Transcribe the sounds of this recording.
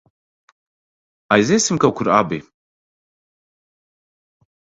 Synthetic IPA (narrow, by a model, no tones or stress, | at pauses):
ajzesɨmkawkʰʷuɾa̰be